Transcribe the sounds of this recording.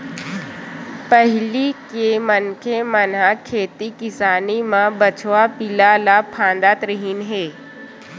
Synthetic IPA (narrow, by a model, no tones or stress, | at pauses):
pəɦlikemənkʰemənɦakʰeːt̪ikɪsaːnimãbət͡ʃʰʋapɪlalaːpʰãːnd̪at̪ɾəɦinɦeː